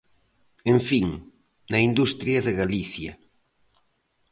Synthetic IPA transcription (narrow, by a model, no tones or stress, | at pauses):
ẽɱfiŋ | nɐind̪ust̪ɾjɐðɪɣaliθjɐ